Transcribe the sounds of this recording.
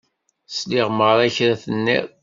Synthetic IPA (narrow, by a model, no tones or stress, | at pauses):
sliʁməɾˤæçɾæθənːḭɾ